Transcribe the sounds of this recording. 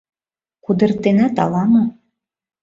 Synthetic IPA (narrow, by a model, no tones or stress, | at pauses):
kud̪ə̆rt̪enæt̪ɑlˠɑno